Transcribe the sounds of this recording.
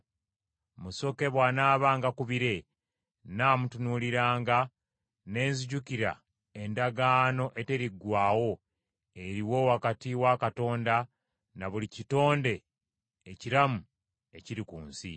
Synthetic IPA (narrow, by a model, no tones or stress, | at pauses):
muso̞ke̞βwanaːβaːŋɡakuβiɾe̞ | naːmutunuliɾaːŋɡa | ne̞ːnziɟukiɾa̰ | e̞ndaɡaːno̞ʔe̞te̞ɾiɡwaːwo̞ | e̞ɾiwo̞wakatiwakato̞ːnda | naβulicito̞ːnde̞ː | ciɾamu | e̞ciɾikuːnsḭ